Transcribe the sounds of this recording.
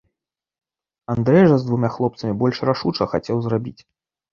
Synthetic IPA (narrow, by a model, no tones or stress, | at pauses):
and̪ɾɛjʐɐzd̪vumʲaxlˠɔpt̪sɐmʲibɔlʲʂraʂut͡ʂɐxat͡sʲɛwzrabʲit͡sʲ